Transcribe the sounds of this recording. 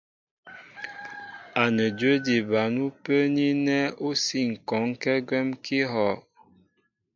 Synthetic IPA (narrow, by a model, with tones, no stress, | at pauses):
a˨nə˨dwə˦di˨ba˨nu˦pə˦ni˦nɛ˦o˦si˦˨ŋ̩˨kɔ˨˦ŋ˦kɛ˦ɡwɛ˦mki˦ɦɔ˨